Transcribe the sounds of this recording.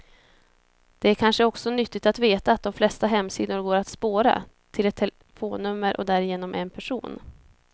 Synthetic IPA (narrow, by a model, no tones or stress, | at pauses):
d̪̥ɛæɾkʰanʂəɔksɔnʏt̪ːɪt̪at̪veːt̪aːt̪̚d̪ɔmflɛst̪aɦɛmːsiːd̪ʊɾɡoːɾat̪spoːɾa̰ | t̪ʰɪlɛt̪ʰːɛl | foːnːɵmːəɾʔɔ̰d̪æɾɪjeːnɔmʔɛnpʰæʂuːn